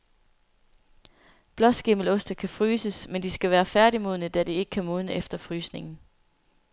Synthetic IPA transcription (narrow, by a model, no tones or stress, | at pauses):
b̥lɒ̽sɡ̥e̝məlɔ̽sd̥ækʰæfʁyːsəsmend̥isɡ̥æʋæːɐfæɐɾimo̝ðˠnəd̥æd̥ie̝ɡ̥ə̥kʰæmoðˠnəʔefd̥ɐfʁyːsne̝ŋn̩